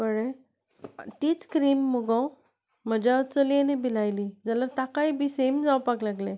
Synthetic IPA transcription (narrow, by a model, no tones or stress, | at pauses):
bəɽe | t̪iːt͡skɾimːuɡəw | m̤əd͡ʑat͡səlianibilajlid͡zaləɾt̪akaibisemd͡zawpaɡlaɡlẽ